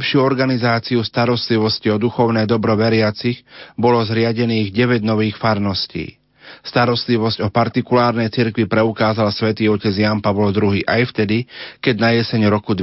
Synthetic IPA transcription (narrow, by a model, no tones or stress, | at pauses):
pʃɪuːɔɾɡanizaːt͡siust̪aɾɔst̪liʋɔsciɔd̪uxɔʊnɛjd̪ɔbɾɔʋɛɾɪat͡siɣbɔlɔzɾɪaɟɛniːɣɟɛʋɛɟnɔʋiːxfaɾnɔscḭː | st̪aɾɔst̪liʋɔzɟɔpaɾt̪ikulaːɾnɛjt͡siɾkʋipɾɛukaːzalsʋɛt̪iːɔcɛd͡zjampaʋlɔd̪ɾuɦiːʔajft̪ɛd̪ikɛɟnajɛsɛɲɾɔkud̪